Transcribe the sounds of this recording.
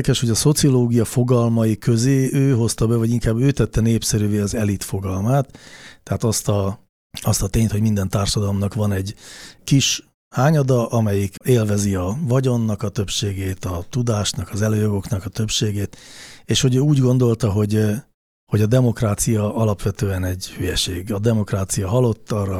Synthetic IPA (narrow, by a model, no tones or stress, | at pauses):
kɛʃho̞ɟɒso̞t̪sioloːɡijɒfo̞ɡɒlmɒjikøzeːʔøːɦo̞st̪ɒbɛvɒɟiŋkaːbøːt̪ɛt̪ːɛneːpsɛɾyveːɒzɛlit̪fo̞ɡɒlmaːt̪ːɛɦaːt̪ɒst̪ɒ | ɒst̪ɒt̪eːɲt̪homind̪ɛnt̪aːrʃɒd̪ɒlo̞mnɒkʋɒnɛɟkiʃ | haːɲɒd̪ɒʔɒmɛjikeːlvɛziɒvɒɟo̞nːɒkɒt̪ø̞pʃeːɡeːt̪ɒt̪ud̪aːʃnɒkɒzɛløːjoɡo̞knɒkɒt̪øpʃeːɡeːt̪eːʃho̞ɟøːuːɟɡo̞nd̪o̞lt̪ɒɦo̞ɟ | ho̞ɟɒd̪ɛmo̞kraːt̪sijɒʔɒlɒpʋɛt̪øːɛnɛɟhyjɛʃeːɡɒd̪ɛmo̞kraːt̪sijɒɦɒlo̞t̪ːɒrɒ